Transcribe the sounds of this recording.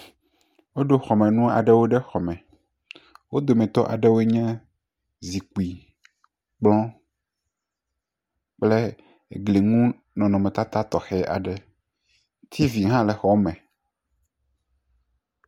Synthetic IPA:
wo˦ɖo˦xɔ˨mɛ̃˨nũ˦a̰˨ɖɛ˦wo˦ɖɛ˦xɔ˨mɛ̃˨ | wo˦d̪o˨mɛ̃˨t̪ɔ˦ʔa̰˨ɖɛ˦wo˦e˦ɲɛ̃˦ | zi˨ku˨i˨ | k͡plɔ̃˦ | k͡ple˦˨ | ɡli˨ŋũ˦ | nɔ̃˨nɔ̃˨mɛ̃˨t̪a˦t̪a˦t̪ɔ˨xɛ˨ʔa̰˨ɖɛ˦ | t̪ʰi˦vi˨ɦã˦le˨xɔ˨mɛ̃˨

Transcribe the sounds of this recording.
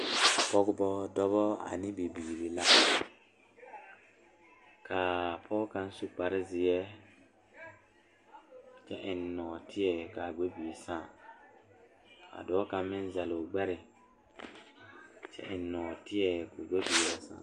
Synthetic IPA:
a˨pɔ˦ɡbɔ˦dɔ˦βɔ˦a̰˨nɪ˦bi˨biː˨li˨la˦ | ka˨pʰɔ˦ɡkã˦n˦su˦k͡pa˨ɾɪ˦zɪ˨jɛ˦ | t͡ʃɛ˦ʔɪ˨nːɔː˨tʰɪ˦jɛ˨ka˨ɡ͡be˦bi˨sã˦˨ | a̰˨dɔː˦ka˦mɪ̃˦n˦za˨lo˨ɡ͡bɛ˦ɾɪ˨ | t͡ʃɛ̰˦ʔɪ˨nː˦ɔː˨tɪ˦jɛ˨kʊ˨ɡ͡be˦bi˨ɛ˦sã̰ː˦˨

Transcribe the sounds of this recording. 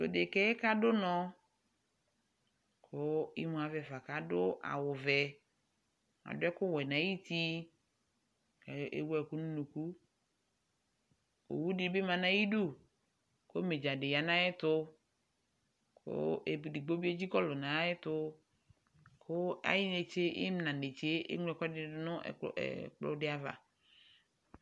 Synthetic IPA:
lo̰˨de˨kɛ˦ka˦dʊ˦nɔ˦ | kʰʊ˦ḭ˦mũ˨a˨vɛ˨va˨ka˨dʊ˦ʔa̰˨wʊ˨vɛ˨ | a̰˨dʊ˦ɛ˦kʊ˦wɛ˨nã˨˦ji˦t̪i˦ | kḛ˦wu˦ɛ˨kʊ˦nũ˦nu˨ku˦ | o̰˨wu˦dɪ˨˦bɪ˦mã˨nã˦ji˦du˦˨ | ko˦me˨d͡ʒa˨ɖɪ˨ja˨nã˦jɛ˦t̪ʊ˦ | kʰo̰˦e˨di˨ɡ͡bo˦bi˦e˦d͡ʑi˦kɔ˦lʊ˨nã˨˦ɛ˦t̪ʊ˦ | kʰʊ˦a̰˨˦jɪ˦ne˨t͡ʃe˦jɪ̰˦m˦nã˨ne˨t͡ʃe˦ḛ˦ŋ˦ɛ˨kɔ˦dɪ˦nʊ̰̃˦˨k͡plʊ̰˦dɪ˦a˨va̰˨

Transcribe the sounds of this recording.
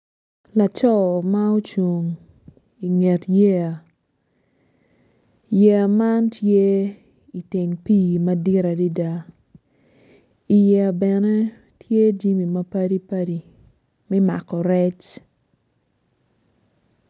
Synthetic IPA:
la˨t͡ʃɔ˦˨ma˦o˦t͡ʃu˨ŋ | i˨ŋe˨tje˦a˨ | jɛ˨ma˦ntje˦ | i˨te˨ŋpi˦ma˦di˦ɾa˨di˦da˦ | i˨ja˨bɛ˨nɛ˦ | tʰje˦d͡ʒi˦mi˨ma˦pa˦ɾi˦pa˦ɾi˦ | mɛ˦ma̰˨kɔ˨ɾɛ˦t͡ʃ

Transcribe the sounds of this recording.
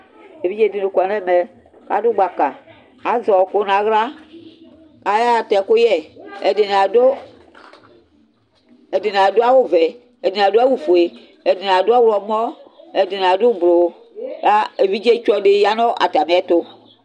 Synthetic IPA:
e˨vi˦d͡ʒe˦˨de˨no˨kɔ˨nɛ˦˨mɛ˨ | ka̰˨˦do˦ɡ͡ba˨ka˨ | a˨˦zɔ˨ko˦nã˨ɣla˦ | ka˦ja˦˨tɛ˨ko˦jɛ˦˨ɛ˨de˨n˨a˨do˦ | ɛ˨de˨n˨a˨do˦a˦wo˦vɛ˨ | ɛ˨de˨n˨a˨do˦a˦wu˨fo˨e˨ | ɛ˨de˨n˨a˨do˦a˦wlɔ˨mɔ˦ɛ˨de˨n˨a˨do˦blo˨˦ | ka˦e˨vi˦d͡ʒe˦t͡ʃɔ˦de˨˦ja˦nɔ˦ʔa̰˨ta˨m˨˦ɛ˦to˦

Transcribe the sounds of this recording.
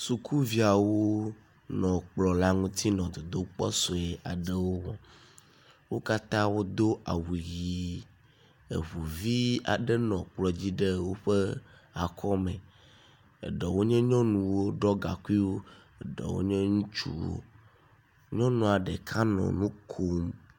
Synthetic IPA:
su˨kʰu˦vi˦a˨wo˦ | nɔ̃˨k͡plɔ˨la˦ŋũ˦t̪i˦nɔ̃˨d̪o˨d̪o˦k͡pɔ˦sɔ˨e˨a˨ɖe˦wo˦wɔ̃˨ | wo˦ka˦t̪ã˦wo˦d̪o˦ʔa̰˨wu˨ɣi˨ | ḛ˨βu˨vi˦a̰˨ɖɛ˦nɔ̃˨k͡plɔ˨d͡ʑi˦ɖe˦wo˦ɸe˦a˨kʰɔ˦mẽ˨ | ḛ˨ɖɛ˨wo˦ɲɛ̃˦ɲɔ̃˦nũ˨wo˦ɖɔ˦ɡa̰˨ku˦i˦wo˦ | e˨ɖɛ̰˨wo̰˦ɲẽ˦ŋũ˦t͡ʃṵ˦wo̰˦ | ɲɔ̃˦nũ˨a˨ɖɛ˨kʰa˦nɔ̰̃˨nũ˦kʰo˦m

